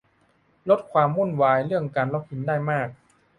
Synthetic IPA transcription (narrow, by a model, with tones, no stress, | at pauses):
lo˦˥t̪̚kʰwaː˧mːu˥˩nwaː˧jɾɯ˥˩əŋkaː˧nla˦˥p̚hi˧˦ndaː˥˩jmaː˥˩k̚